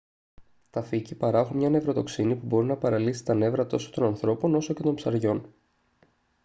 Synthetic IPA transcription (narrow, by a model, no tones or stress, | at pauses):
t̪ɐficipɐɾɐexunmɲɐne̞vɾo̞t̪o̞ksinipubo̞ɾinɐpɐɾɐlisi̥t̪ɐne̞vɾɐt̪o̞so̥t̪o̞nɐnθɾo̞po̞no̞so̞ce̞t̪o̞mpsɐɾʝo̞n